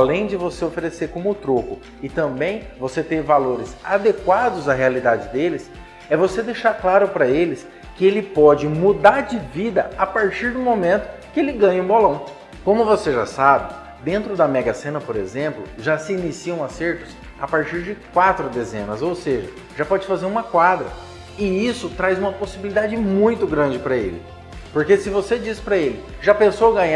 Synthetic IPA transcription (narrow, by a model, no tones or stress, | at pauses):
alẽj̃d͡ʒɪvoseofeɾeseɾkõmʊʊt̪ɾokʊ | ɪt̪ɐ̃mbẽj̃voset̪eɾvaloɾɪzad̪ekwad̪ʊzɐɦealid̪ad͡ʒɪd̪elɪs | ɛvosed̪ejʃaɾklaɾʊpɾɐelɪs | kɪelɪpɔd͡ʒɪmud̪aɾd͡ʒɪvid̪ɐapaɾt͡ʃiɾd̪ʊmomẽnt̪ʊ̥kɪelɪɡɐ̃jɐũbolɐ̃w̃ | kõmʊvoseʒa̰sabɪ | d̪ẽnt̪ɾʊd̪ɐmɛɡɐsẽnɐpoɾḛzẽmplʊ̰ʒasɪinisiɐ̃w̃aseɾt̪ʊs | a̰paɾt͡ʃiɾd͡ʒɪkwat̪ɾʊd̪ezḛ̃nɐzowseʒɐ | ʒapɔd͡ʒɪfazeɾũmɐkwad̪ɾɐ̰ | ɪisʊt̪ɾajzũmɐposibilid̪ad͡ʒɪmũj̃t̪ʊɡɾɐ̃d͡ʒɪpɾɐḛlɪ̰ | poɾkesɪvosed͡ʒisɪ̥pɾɐelɪʒapẽsowɐɡɐ̃ɲa